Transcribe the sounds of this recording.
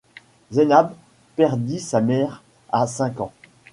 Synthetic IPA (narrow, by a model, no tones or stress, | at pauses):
zenab | pɛʁd̪isamɛʁ | asɛ̃kɑ̃